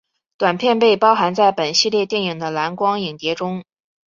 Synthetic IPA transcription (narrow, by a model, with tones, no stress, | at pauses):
t̪wa˨˩npʰjɛ˥˧npe˥˩ɪpɑ˥ʊxa˧˥nt͡sa˥˩ɪpə˨˩nɕi˥˧ljɛ˥˧t̪jɛ˥˩ni˨˩ŋd̪ə˦la˧˥nkwɑ˥ŋi˨˩ŋt̪jɛ˧˥ʈ͡ʂʊ˥ŋ